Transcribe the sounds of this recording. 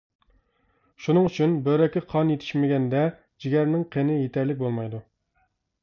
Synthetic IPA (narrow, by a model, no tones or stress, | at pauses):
ʃunɨŋyt͡ʃʰynbøɾɛkʲːɪqʰɑnjet̪ʰɪ̥ʃmɪɡʲɛnd̪ɛ | d͡ʒiɡʲɛɾnɪŋqʰenɪjet̪ʰɛɾlɪk̚ʲbolˠmɑjd̪u